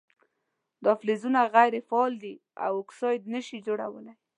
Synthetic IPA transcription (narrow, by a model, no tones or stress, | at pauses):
d̪ɑflezunaɣajɾefːld̪i | a̰wʊksɑjd̪nəʃid͡ʒoɽa̰wə̰laj